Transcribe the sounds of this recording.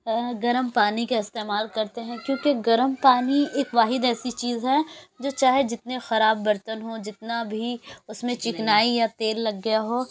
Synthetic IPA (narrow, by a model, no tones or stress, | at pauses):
ɡɐɾəmpaːnikaɪst̪eːmaːlkɐɾt̪eɦɛ̃kjõːkeɡɐɾəmpaːnieːkʋaːɦɪd̪ɛːsit͡ʃiːzɦɛd͡ʒoːt͡ʃaːɦed͡ʒɪt̪nexɐɾaːbːɐɾt̪ənɦod͡ʒɪt̪nabʱiʊsmẽt͡ʃɪknaːijat̪eːlːɐɡːɐjaɦoː